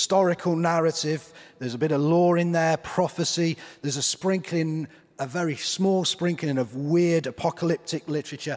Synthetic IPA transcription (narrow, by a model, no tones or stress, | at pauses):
stɒɹɪkʰəlˠnaɹətɪvðəzəbɪɾəvlɔːɹɪ̃nðəpʰɹ̥ɒfəsiðəzəspɹɪ̃ŋkʰlɪ̃ŋ | əvɛɹismɔːlˠspɹɪ̃ŋkʰlɪ̃ŋəvwɪədəpʰɒkʰəlɪp̚tɪklɪtəɹət͡ʃə